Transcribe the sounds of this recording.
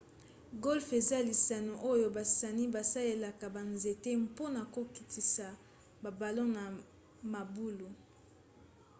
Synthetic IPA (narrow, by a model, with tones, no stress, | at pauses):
ɡo˦lfe˨za˦li˨sa˨no˨ʔo˦jo˦ba˨sa˨ni˦ba˨sa˦le˦la˨ka˨ba˨nze˨te˦mpo˦na˨ko˨ki˨tʰi˨sa˨ | ba˨ba˨lo˦na˨ | ma˨bu˦lu˨